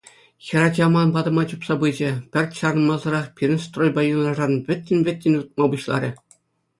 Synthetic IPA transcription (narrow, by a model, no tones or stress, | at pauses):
xʲɘ̆ɾɑd͡ʑɑmɑnbɑd̪ɤ̆mɑt͡ɕupsɑbɯd͡ʑɘ̆pʲɘ̆rʲt̪ʲɕɑɾɤ̆nmɑzɤ̆ɾɑχpʲirʲɘ̆nʲst̪rojbɑjunlˠɑʐɑnʋʲɘ̆t̪ʲːɘ̆nʲʋʲɘ̆tʲːɘ̆nʲut̪̚mɑbuɕlˠɑ̰ɾʲɘ̆